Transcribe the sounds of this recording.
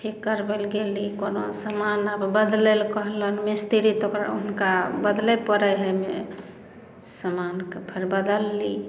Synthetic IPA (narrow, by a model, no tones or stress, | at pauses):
ʈʰikːəɾbelɡelikonosəmanəbbəd̪lelkəɦlənmist̪iɾit̪okɾa̰ṵnkabəd̪lepəɾəɦɛme | səmankepʰəɾbəd̪əlːi